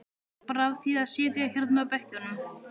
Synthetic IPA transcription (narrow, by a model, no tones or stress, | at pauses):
pɾavθiðaðsɛːt̪ɪaçɛɾt̪napɛhcʏnʏm